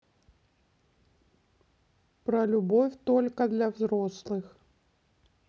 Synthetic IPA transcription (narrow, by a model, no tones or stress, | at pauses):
pɾɐlʲubɔfʲt̪ɔlʲkɐd̪lʲɐwzɾɔslˠɨx